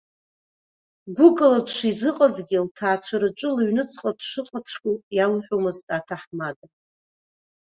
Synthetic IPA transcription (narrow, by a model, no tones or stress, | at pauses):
ɡʷʊkʼɨladʰʂizɨqʼazɡʲiltʰaːt͡sʷʰaɾɨʈ͡ʂʷʼɨlɥnɨt͡sʰʼqʼadʂɨqʼat͡sʷʰkʲʼujalħʷᶣomɨztʼatʰaħmadʼa